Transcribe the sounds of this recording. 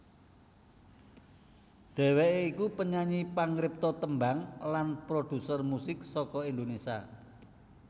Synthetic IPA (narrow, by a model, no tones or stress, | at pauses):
d̪̥ɛ̤weʔeikupəɲaɲipaŋɾɪp̚t̪ɔt̪əmbaŋlanpɾod̪̥ṳsərmusɪksɔkɔind̪onesia̰